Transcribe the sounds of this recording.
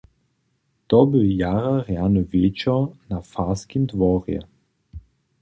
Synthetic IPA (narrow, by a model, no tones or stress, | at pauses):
t̪ɔbɪjaʁaʁjanɔveːt͡ʃɔnafaskimd̪vɔʁjɛ̰